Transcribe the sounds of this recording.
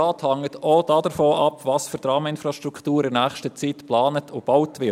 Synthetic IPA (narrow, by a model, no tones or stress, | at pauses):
ɑːthɑŋətɔd̥ɑd̥əɾfoːʔɑpvɑsfyɾdɾɑːməɪnfɾɑʃtɾukʰtuːɾɪnæːχʃtət͡siːtplɑːnətʰʊb̥awtʋɪ